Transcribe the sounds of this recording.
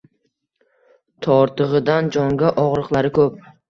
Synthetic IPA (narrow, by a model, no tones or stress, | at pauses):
t̪ʰɒɾt̪ɨʁɨd̪and͡ʒɒŋɡʲaʔɒʁɾɨqlˠaɾɪkʰɵp̚